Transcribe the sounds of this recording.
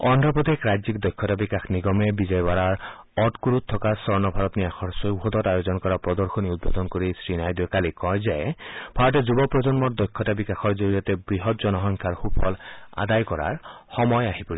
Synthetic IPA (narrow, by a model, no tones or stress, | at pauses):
ɔnd̪ʱɔpɔt̪ekɾajzikd̪ɔjkʰːɔtabikaxniɡɔmebizɔjbaɾaɹ | ɔtkuɾut̪ʰːɔkasɔɹnɔbʱaɾɔt̪niaxʰɔɹsoɦɔd̪ɔtajozɔnkɔɹapɹɔd̪ɔɹxoniud̪̚bod̪ɔnkoɾisɹinajd̪ɔkalikɔjzajb̥ʱaɹɔtezubɔpɹɔd͡ʒɔnmɔtd̪ɔjkʰːɔtabikaxɔɹd͡ʒoɹijɔt̪ebɹiɦɔt̪̚d͡ʒɔnɔɦɔŋkʰaɹxupʰɔla̰d̪ajkɔɾa̰ɹ | xɔmɔjaɦipuɾi